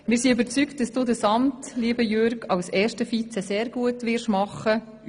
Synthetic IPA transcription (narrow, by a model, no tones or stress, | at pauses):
mɪːɾsiybəɾt͡sykt̚d̥ɑsd̥uːdəsɑmtliːəbəjøɾɡɑwsɛːʃtəfit͡sɛseːɾɡ̥uətʋɪɾʃmɑχə